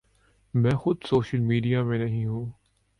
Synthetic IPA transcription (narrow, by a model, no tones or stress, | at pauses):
mɛ̃ːxʊd̪soːʃəlmiːɖijamẽnɐɦĩɦũː